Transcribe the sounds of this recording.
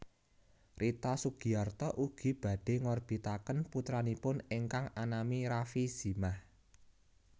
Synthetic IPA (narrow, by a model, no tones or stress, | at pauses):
rʔit̪asuɡ̥i̤art̪ɔʔuɡ̥i̤b̥ä̤ɖ̥e̤ŋɔrb̥i̤t̪akənput̪ɾanipʊneŋkaŋanamiɾafiz̥i̤mah